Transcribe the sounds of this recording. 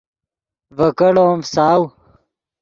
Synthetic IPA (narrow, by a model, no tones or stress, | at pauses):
vɐkɐɽoːmsaːw